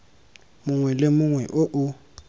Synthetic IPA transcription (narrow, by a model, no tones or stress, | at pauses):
mʊŋwɛlɪmʊŋwɛʔʊʔʊ